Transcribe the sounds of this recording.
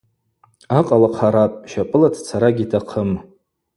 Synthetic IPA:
aqʼalaqʰaɾapʼʃapʼɨladʰt͡sʰaɾaɡʲitʰaqʰəm

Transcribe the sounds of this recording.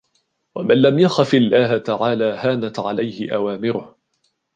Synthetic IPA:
wamanlamjaxafɪlːaːɦat̪aʕaːlaːhaːnat̪ʕa̰lajhɪʔawaːmɪɾʊh

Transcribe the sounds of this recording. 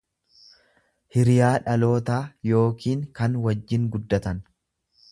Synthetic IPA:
hɪɾɪjaːᶑɐlo̞ːt̪aːjo̞ːkiːŋkɐnwɐd͡ʒːɪŋɡʊd̪ːɐt̪ɐn

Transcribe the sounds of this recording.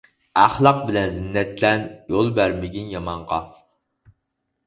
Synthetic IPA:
æχlˠɑq̚bɪlɛnzɪnːɛt̪lɛnjolˠbæɾmɪɡʲinjɑmɑɴʁɑ

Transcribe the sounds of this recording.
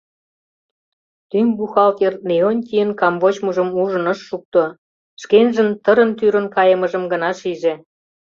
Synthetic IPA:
t̪ymbuxɑlt̪erneonʲt̪ʲiənkɑmβot͡ɕməʒə̆muʒə̆nə̆ʃːuk̚t̪o | ʃkenʒə̆nt̪əɾə̆nt̪yɾə̆nkɑjə̆mə̆ʒə̆mɡə̆nɑʃiʒĕ

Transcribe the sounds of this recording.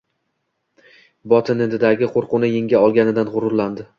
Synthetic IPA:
bɒt̪ʰɪnɪd̪aɡʲɪqʰoɾqʊnɪjɪŋɡʲaɒlˠɡʲanɪd̪anʁʊɾʊɾland̪ɪ

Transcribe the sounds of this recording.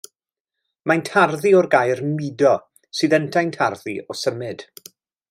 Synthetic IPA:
majntʰarðiɔrɡajrmidɔ | sɨːðəntʰajntʰarðiɔsəmɨd̥

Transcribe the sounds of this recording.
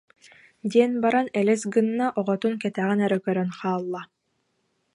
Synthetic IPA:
d̪iɛnbaɾanɛlɛsɡɯnːaʔɔʁɔt̪unkɛt̪æʁɛnɛɾɛkœɾœnχaːlˠːa

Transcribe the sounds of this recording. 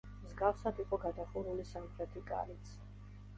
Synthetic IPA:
mzɡafsad̪iqʼɔɡad̪aχuɾulisamχɾɛt̪ʰikʼa̰lit̪sʰ

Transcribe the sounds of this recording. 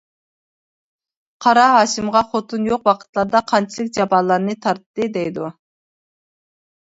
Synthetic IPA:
qʰɑɾɑɦɑːʃimʁɑχot̪ʰunjoqwɑqʰə̥t̪lˠɑɾd̪ɑqʰɑnt͡ʃʰilˠɨkʲd͡ʒɑpɑːlˠɑɾnɨt̪ʰɑɾt̪ːɨd̪ɛjd̪u

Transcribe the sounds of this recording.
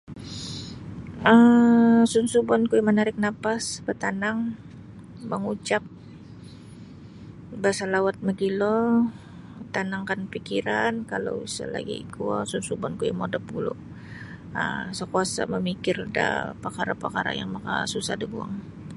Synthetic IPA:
ə | sunsubɔnkujmənaɾɪk̚napasbət̪anaŋ | məŋut͡ʃap̚ | baasalawat̪̚məɡilɔ | t̪anaŋkanpikiɾankalo̰wsa̰la̰ɡḭḭkuasunsubɔnkujmodapulʊ̰ | əsakuasa̰məmikɪrda̰pakaɾapakaɾa̰jaŋmaka̰susa̰hdabua̰ŋ

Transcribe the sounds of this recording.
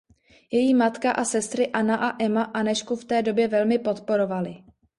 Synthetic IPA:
jɛjiːmat̪kaʔasɛst̪ɾɪʔanaʔaʔɛmaʔanɛʃkuft̪ɛːdo̞bjɛvɛlmɪpo̞t̪po̞ɾo̞valɪ

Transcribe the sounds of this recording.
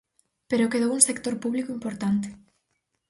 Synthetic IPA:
peɾokeðowuŋsekt̪oɾpuβlikoimpoɾt̪ant̪e̥

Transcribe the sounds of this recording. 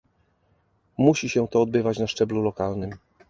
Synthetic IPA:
muɕiɕɛ̃t̪ɔːd̪bɘvat͡ɕnaʂt͡ʂɛblulɔkalnɘm

